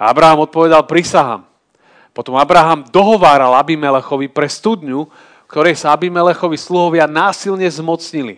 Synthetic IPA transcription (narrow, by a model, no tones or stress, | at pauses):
a̰bɾaɦamɔt̪̚pɔʋɛd̪alpɾisaɦa̰m | pɔt̪ɔmabɾaɦamd̪ɔɦɔʋaːɾalabimɛlɛxɔʋipɾɛst̪ud̪ɲu | fkt̪ɔɾɛjsaabimɛlɛxɔʋisluɦɔʋɪanaːsilɲɛzmɔt͡sɲilḭ